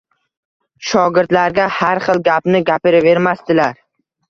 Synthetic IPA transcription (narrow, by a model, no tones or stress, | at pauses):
ʃɒɡʲɪɾt̪laɾɡʲahaɾχɨlˠɡʲapnɪɡʲapɪɾɪve̞ɾmast̪ɪlaɾ